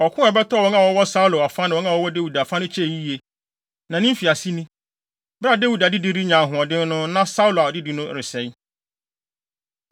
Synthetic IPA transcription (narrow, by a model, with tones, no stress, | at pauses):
ɔ˨kʰʊ̃˦ɛ˨bɛ˦tʰɔ˦˨wɔ˦nã˨wɔ˦wɔ˦sa˦u˦lo˨a˨fã˦nɪ̃˨ɔ̃˦nã˦wɔ˦wɔ˦de˦wu˨da˨fã˦nʊ̃˦t͡ɕʰɛ˦˨ji˦je˨ | nã˨nɪ̃˦m˦fi˨a˨si˦nĩ˦ | bɾa˦˨de˦wu˨da˨dɪ˦di˦ɾi˦ɲã˨ɦʊ̃˨ɔ˨dɪ̃˦nʊ̃˦nã˦sa˦u˦lo˨a˨ɔ˨dɪ˦di˨˦nʊ̃˦˨ɾɪ˨sɛ˨˦